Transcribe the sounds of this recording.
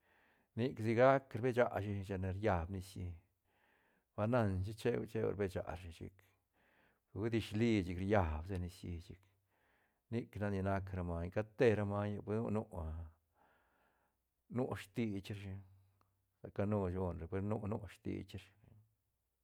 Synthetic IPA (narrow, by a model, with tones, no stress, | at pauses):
ni˦ksi˧ɡa˦kɾbe˦t͡ʃa˧ʔʃi˧ʃa˧ne˧ɾja˧bni˧sji˧ | ba˧na˧nt͡ʃ̬i˦t͡ʃe˦wt͡ʃe˦w̰ɾbe˦˧t͡ʃa̰˨ɾʃi˧ʃḭ˧k | wu˦d̪i˧ʃli˧t͡ʃi˧kɾja˧bse˧ni˧sji˧t͡ʃḭ˧k | ni˦kna˧ni˧na˦kɾa˧ma˧ka˧t̪e˦ɾa˧ma˧ja˧pe˦nṵ˦˧nu˦ʔa˧ | nu˦ʃt̪i˧t͡ʃɾʃi˧ | sa˨ka˧nu˧d͡ʒo˧nɾe˨pe˧˦ɾnu˦nu˦ʃt̪ḭ˧t͡ʃɾ